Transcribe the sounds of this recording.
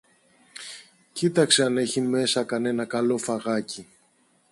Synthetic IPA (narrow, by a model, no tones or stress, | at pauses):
cit̪ɐkse̞ɐne̞çinme̞sɐkɐne̞nɐkɐlo̞fɐɣɐci